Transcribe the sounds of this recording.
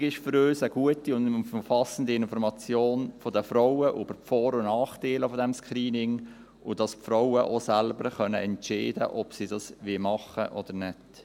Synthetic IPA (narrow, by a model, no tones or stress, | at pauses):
ɡɪʃfʏɾøːsəɡ̥uətiʊnmfɑsən̩diɪnfɔɾmɑt͡sjoːnfɔdəfɾɔwəʔyb̥əɾpfɔːɾʊnɑːχtiːləfɔdɛmskɾiːnɪŋ | ʔʊd̥ɑspfɾɔwəʔosɛlbəɾχœnə̰ʔɛnt͡ʃeɪdə̰ʔɔpsiːdɑsʋimɑχə̰ʔɔd̪əɾnɛt